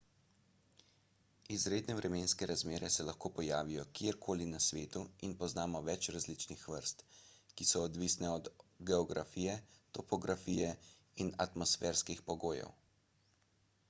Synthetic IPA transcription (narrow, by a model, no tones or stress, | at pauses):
izɾeːd̪nɛʋɾɛmeːnskɛɾazmeːɾɛsɛlaxkoːpɔjaːʋijɔkjeeɾkʰoːlinasʋeːt̪uinpɔznaːmɔʋɛt͡ʃɾazlit͡ʃnixʋəɾst̪kisɔːd̪ʋisnɛɔd̪ɡɛɔɡɾafiːjɛt̪ɔpɔɡɾafiːjɛ | inat̪mɔsfɛːɾskixpɔɡoːjɛ̰w